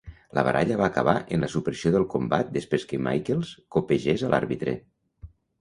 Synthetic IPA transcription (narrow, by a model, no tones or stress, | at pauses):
lə̰βə̰ɾaʎəβ̞aːkəβaʔənləsupɾəsioðəlˠkombat̪̚d̪əspɾeskəma̰jkelˠskopeʒezəlʔa̰ɾβit̪ɾḛ